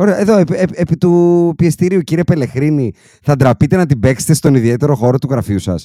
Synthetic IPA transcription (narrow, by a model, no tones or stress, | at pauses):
o̞ɾeɐʔeðo̞eeepit̪upiest̪iɾiuciɾie̞pe̞le̞xɾini | θɐd̪ɾɐpit̪e̞nɐt̪ibe̞kset̪e̞st̪o̞niðie̞t̪e̞ɾo̞xo̞ɾo̞t̪uɣɾɐfiusɐ̰s